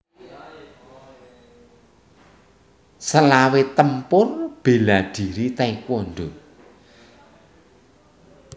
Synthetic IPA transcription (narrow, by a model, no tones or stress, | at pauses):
səlawet̪əmpʊrb̥e̤lad̪̥i̤ɾit̪aikwɔnɖo